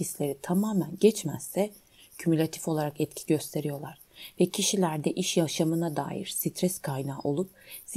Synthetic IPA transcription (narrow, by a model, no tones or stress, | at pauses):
islʲe̞ɾit̪ʰamaːmænɟɛt͡ʃmæsːɛ | cʰymylʲat̪ʰi̥fo̞lˠaɾakɛt̪cʰi̥ɟø̞st̪ʰe̞ɾijo̞lˠaɾ̥vɛcʰiʃilʲæɾd̪ɛʔiʃjaʃamɯnad̪a̰ːjḭɾ̥sit̪ʰɾɛskʰajnaːʔo̞lˠup̚ | s